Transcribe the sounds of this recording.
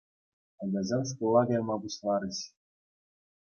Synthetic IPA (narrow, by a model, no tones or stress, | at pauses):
ɑɡʲɑzɑns̬kulˠːɑɡɑjmɑbuɕlˠɑɾɤ̆ɕ